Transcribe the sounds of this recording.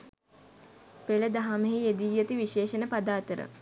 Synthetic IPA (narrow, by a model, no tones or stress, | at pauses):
peləd̪aɦameɦied̪ijət̪iʋiʃeːʃənəpad̪aːt̪əɾə̰